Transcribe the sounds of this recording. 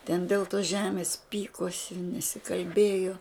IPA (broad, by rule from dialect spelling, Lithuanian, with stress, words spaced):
tʲɛn dʲɛlˠ toːs ˈʒʲæːmʲeːs ˈpʲiːkoːsʲɪ nʲɛsʲɪkɐlʲˈbʲeːjoː